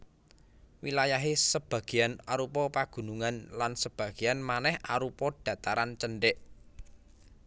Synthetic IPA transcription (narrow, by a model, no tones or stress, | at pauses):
wilajaɦesəb̥ä̤ɡ̥i̤janaɾupɔpaɡ̥ṳnuŋanlansəb̥ä̤ɡ̥ianmanɛha̰ɾupɔɖ̥ä̤t̪aɾant͡ʃənɖɪʔ